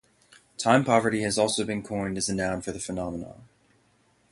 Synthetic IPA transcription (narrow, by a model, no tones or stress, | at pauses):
tʰãɪ̃mpʰɑvə˞ɾiɨzɔlˠsoʊbɨ̃nkʰɔ̃ɪ̃ndɨzɨnãʊ̃nfə˞ðɨfənɑmənə̰̃